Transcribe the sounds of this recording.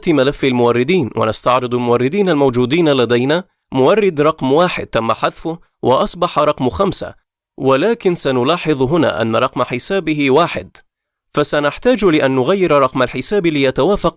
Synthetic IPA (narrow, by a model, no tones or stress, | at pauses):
t̪malafːalmʊwɑrˤːɪd̪iːnwa̰nast̪ɑʕɾɨd̪ˤalmʊwɑrˤːɪd̪iːnalmawd͡ʒuːd̪iːnalad̪ajnaː | mʊwɑrˤːɪd̪ɾˤɑqmwaːħɪ̰d̪̚t̪amːaħaðfʊh | wɪ̰ʔɑsˤbɑħɑɾˤɑqmxamsa̰ | walaːkɪnsanʊlɑːħɨðˤɦʊna̰ːʔa̰nːaɾˤɑqmaħɪsaːbɪɦɪwaːħɪ̰d̪ | fasanɪħt̪aːd͡ʒlɪʔanːʊɣajːɪɾɾˤɑqmalħɪsaːblɪjat̪awaːfaq̚